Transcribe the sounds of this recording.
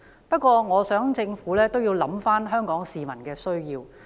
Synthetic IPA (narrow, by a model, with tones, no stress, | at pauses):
pɐ˥t̚kʷɔː˧ŋɔː˨˧sœː˨˥ŋt͡sɪ˧ŋfuː˨˥lɛː˥t̪o˥wjiː˧wlɐ˨˥mfaː˥nɦœː˥ŋkɔː˨˥ŋsiː˨mɐ˨˩nkɛː˧sɵ˥ɥjiː˧w